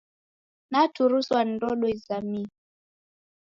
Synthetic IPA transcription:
natuɾuswandɔɗɔizami

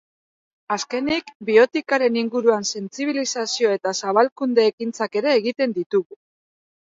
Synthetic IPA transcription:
aske̞nikbio̞t̪ikaɾe̞niŋɡuɾuanse̞nt͡siβ̞ilisasio̞e̞t̪asaβalkund̪e̞ːkint͡sake̞ɾe̞ːɣit̪e̞nd̪it̪uɣu

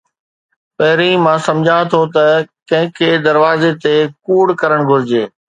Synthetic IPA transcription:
pɐɦɪɾĩmãːsɐ̃md͡ʑʱãːt̪ʰot̪ɐkɐ̃ɦɪ̃kʰeːd̪ɐɾʋaːzet̪ekuːɽkɐɾəɽ̃ɡʱʊɾɪd͡ʑeː

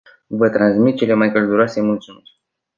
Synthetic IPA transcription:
vət̪ɾansmit̪̚t͡ʃe̞lemajkəld̪uɾoase̞mult̪sumi

